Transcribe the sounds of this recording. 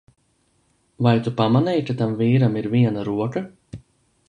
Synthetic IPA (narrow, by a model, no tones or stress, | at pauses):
vajt̪upamanɛjkat̪amviːɾamiɾviɛnaɾuɔka